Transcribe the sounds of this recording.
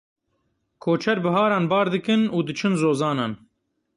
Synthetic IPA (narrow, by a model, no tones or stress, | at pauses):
kʰoːt͡ʃʰɛɾbɨɦɑːɾɑːnbɑːɾd̪ɨkɨnuːd̪ɨt͡ʃʰɨnzoːzɑːnɑːn